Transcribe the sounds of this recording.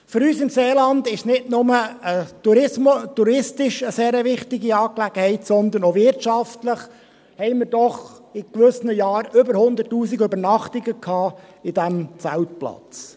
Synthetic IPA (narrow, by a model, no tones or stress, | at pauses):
fʏɾyːsɪmseːlɑnd̪ɪʃnɪtnʊməətuɾɪmt̪uɾɪstɪʃəseːɾəʋɪχt̪ɪɡiɑːklæɡ̥əhɛɪtsɔnd̪ənovɪɾtʃɑftləχ | hɛɪmɪɾd̥ɔχɪkʋʏsnəjɑːɾʏbəɾhʊnd̪ətːuːsiɡøbəɾnɑχtɪɡəkʰɑːɪdæmt͡sælt̚plɑ̰t͡s